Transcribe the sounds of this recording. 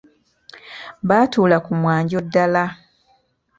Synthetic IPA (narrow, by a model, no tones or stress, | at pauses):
βaːtuːlakumwaːɲɟo̞dːala